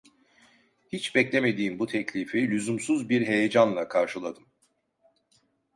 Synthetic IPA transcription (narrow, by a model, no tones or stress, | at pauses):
hit͡ʃbɛclʲeme̞d̪iːmbut̪ʰɛclʲifilʲyzumsuzbiɾɦe̞jed͡ʒanlˠakʰaɾʃɯlˠad̪ɯm